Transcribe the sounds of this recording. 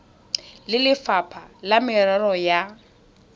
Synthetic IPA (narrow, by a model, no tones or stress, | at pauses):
lɪlɪfapʰalamɪrɛrɔja